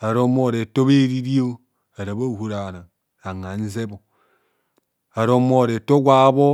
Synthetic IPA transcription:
a˨ɾo˦mo˦˨ɾe˨to˦be˦ɾi˦ɾi˦o˦ | a˨ɾa˨bo˦˨hu˦ɾa˨ɾa˨ŋ | a˨ŋa˨n̩˦ze˦bo˨ | a˨ɾo˦mo˦˨ɾe˨to˦ɡʷa˦bo˦

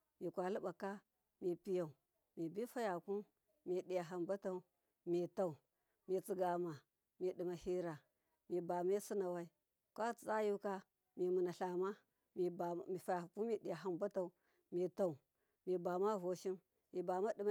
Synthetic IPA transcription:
mi˨kʷa˨lu˦ɓa˨ka˦ | mi˨pi˨ja˨u˨ | mi˨bi˦fa˦ja˨ku˦m | mi˨ɗi˨ja˨ɦa˨mba˦ta˨u˨ | mi˨ta˦˨u˨ | mi˨t͡si˨ɡa˨ma˨ | mi˨ɗi˨ma˨hi˦ɾa˨ | mi˨ba˨me˦si˦na˨wa˦i˦ | kʷa˦t͡st͡sa˦ju˦ka˦ | mi˨mu˨na˨ɬa˨ma˦ | mi˨bi˨fa˨ja˨ku˦i˦˨ɗi˨ja˨ɦa˦mba˦ta˨u˨ | mi˨ta˨u˨ | mi˨ba˨ma˦vo˨ʃi˦m | mi˨ba˨ma˦ɗi˨m˦

